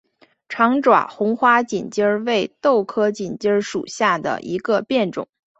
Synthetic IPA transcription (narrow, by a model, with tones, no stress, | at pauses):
ʈ͡ʂʰɑ˧˥ŋʈ͡ʂwa̰˨˩xʊ˧˥ŋxwa˥t͡ɕi˨˩nt͡ɕjə˥we˥˩˧ɪt̪o˥˩ʊkʰɤ˥t͡ɕi˨˩nt͡ɕjə˥ʂṵ˨˩ɕja˥˩d̪ə̰˩ʔḭ˧˥ɡə˧pjɛ˥˩nʈ͡ʂʊ̰˨˩˦ŋ